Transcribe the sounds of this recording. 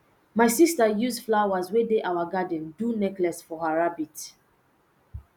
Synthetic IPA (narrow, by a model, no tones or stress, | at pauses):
maɪsistajuzflawazwedeʔawaɡadɛ̃ndunɛklɛsfɔhaɹabit